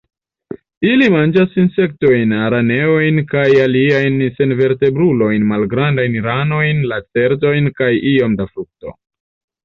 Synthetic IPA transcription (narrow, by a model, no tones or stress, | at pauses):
ilimand͡ʒasinse̞k̚to̞jnaɾane̞ojnkajaliajnse̞nve̞ɾte̞bɾulo̞jnmalɡɾandajnɾano̞jnlat͡se̞ɾto̞jnkajio̞mdafɾuk̚to̞